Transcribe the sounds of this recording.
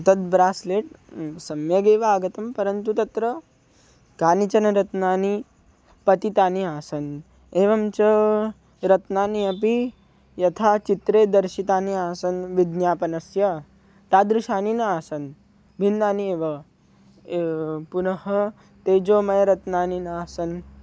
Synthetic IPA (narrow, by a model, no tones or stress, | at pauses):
t̪ɐt̪̚bɾaːsleːʈsɐmjɐɡeːʋɐaːɡɐt̪ɐmpɐɾɐnt̪ut̪ɐt̪ɾɐ | ɡaːnit͡ʃɐnɐɾɐt̪naːni | pɐt̪it̪aːniaːsɐn | eːʋɐmt͡ʃɐ | ɾɐt̪naːniɐpi | jɐt̪ʰaːt͡ʃit̪ɾeːd̪ɐɾʃit̪aːniaːsɐnʋid̪njaːpɐnɐsjɐ | t̪aːd̪ɾuʃaːninɐaːsɐn | bʱind̪aːnieːʋɐ | punɐɦɐ | t̪eːd͡ʒoːmɐjɐɾɐt̪naːninaːsɐn